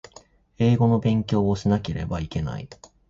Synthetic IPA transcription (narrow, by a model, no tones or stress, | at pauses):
e̞ːɡo̞no̞bẽ̞ŋkʲo̞ːoɕinake̞ɾe̞̰baike̞na̰ḭ